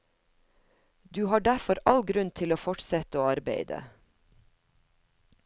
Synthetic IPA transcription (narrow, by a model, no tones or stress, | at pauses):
d̪ʉːhɑːɖæfɔɾɑlɡɾʉnt̪ʰɪloːfɔʈsɛt̪əoːɑɾbeɪd̪ə̰